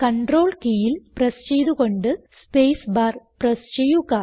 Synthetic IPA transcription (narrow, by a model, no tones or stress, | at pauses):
kɐɳɖro̞ːɭkijilprɐst͡ɕejðuɣo̞ɳɖɨ | spejsbaːrprɐst͡ɕejuɣɐ